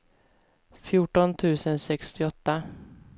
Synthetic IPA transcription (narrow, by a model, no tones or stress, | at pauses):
fjuːʈɔnt̪ʰʉ̟ːsənsɛkst̪ɪɔt̪ːa